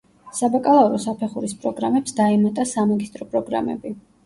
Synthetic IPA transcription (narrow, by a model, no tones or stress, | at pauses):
sabakʼalˠauɾɔsapʰɛχuɾispʼɾɔɡɾamɛpsd̪aɛmat̪ʼasamaɡist̪ʼɾɔpʼɾɔɡɾa̰mɛ̰bi